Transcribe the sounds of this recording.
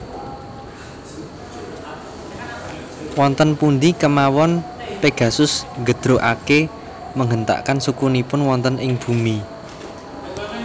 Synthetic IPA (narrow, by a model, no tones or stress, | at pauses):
wɔnt̪ənpund̪ikəmawɔn | peɡ̥ä̤sʊsŋɡəd̪̥ɾoʔake | məŋənt̪a̰ʔkansukunipʊnwɔnt̪ənʔɪŋb̥umi